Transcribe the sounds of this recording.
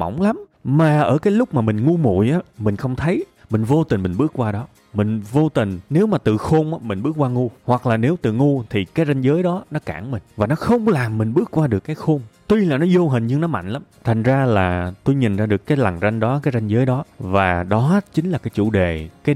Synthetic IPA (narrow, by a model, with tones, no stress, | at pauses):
mə̰˧˩wŋ͡mla˨˦m | maː˨˩ʔəː˧˩kaː˨˦jlʊ˦˥k͡p̚maː˨˩mï˨˩ŋ̟ŋu˧mṵ˧˨jʔaː˨˦mï˨˩ŋ̟xə˧wŋ͡mt̪ʰə˨˦jmï˨˩ŋ̟vo˧t̪i˨˩ŋ̟mï˨˩ŋ̟ɓɨ˦˥ək̚kwaː˧ɗɔ˨˦ | mï˨˩ŋ̟vo˧t̪ï˨˩ŋ̟ne˨˦wmaː˨˩t̪ɨ̰˧˨xo˧mʔaː˨˦mï̟˨˩ɓɨ˦˥ək̚kwaː˧ŋu˧hwa˨˩k̚laː˨˩ne˨˦wt̪ɨ̰˧˨˩ŋu˧t̪ʰi˨˩kaː˨˦jza˧jŋzəː˨˦jɗɔ˨˦nɔ˨˦ka̰ː˧˩ŋmï˨˩ŋ̟vaː˨˩nɔ˨˦xə˧wŋ͡mlaː˨˩mːï˨˩ŋ̟ɓɨ˦˥ək̚kwaː˧ɗɨ˨˩əkːaː˨˦jxo˧ŋ͡mt̪wi˧laː˨˩nɔ˨˦zo˧ɦï˨˩ŋ̟ɲɨ˧ŋnɔ˨˦ma̰˧˨jŋ̟la˨˦mt̪ʰa˨˩ŋ̟zaː˧laː˨˩t̪o˧jɲi˨˩nzaː˧ɗɨ˨˩əkːaː˨˦jla˨˩ŋza˧jŋ̟ɗɔ˨˦kaː˨˦jza˧jŋzəː˨˦jɗɔ˨˦vaː˨˩ɗɔ˨˦t͡ɕï˨˦ŋ̟laː˨˩kaː˨˦jt͡ɕṵ˧˩ɗe˨˩kaː˨˦